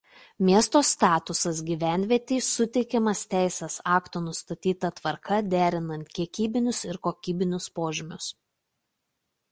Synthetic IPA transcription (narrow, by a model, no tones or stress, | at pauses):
mʲiɛst̪oːst̪ɑːt̪ʊsɐs̬ɡʲiːʋʲæˑnʲʋʲiɛt̪ʲiːsʊt̪ʲɛɪkʲɛmɐst̪ʲæˑɪsʲɛsɑːkt̪oːnʊst̪ɐt̪ʲiːt̪ɐt̪ʋɐɾkʰɐd̪ʲæːɾʲɪnɐnʲt̪kʲiɛkʲiːbʲɪnʲʊsɪɾkoːkʲiːbʲɪnʲʊspoːʒʲɪmʲʊs